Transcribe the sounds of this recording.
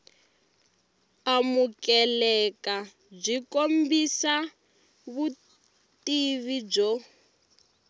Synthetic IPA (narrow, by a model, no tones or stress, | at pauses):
amukɛlɛka | b͡ʐʷikombisa | βu | tiβid͡ʒɔ